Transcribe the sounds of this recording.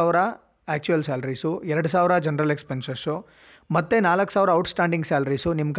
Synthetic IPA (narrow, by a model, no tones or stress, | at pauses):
aːʋɾɐ | aːk̚t͡ʃujɐlsaːlɐɾiːsuɛɾɐɽus̬aːʋɾɐd͡ʒɐnɐɾɐlekspensɐsu | mɐt̪ːenaːlɐkːsaːʋɾɐːwʈsʈaːɳɖiŋɡsaːlɐɾiːsunimːɐk